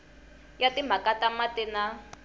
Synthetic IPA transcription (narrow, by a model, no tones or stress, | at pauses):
jatim̤ʱakatamatɛna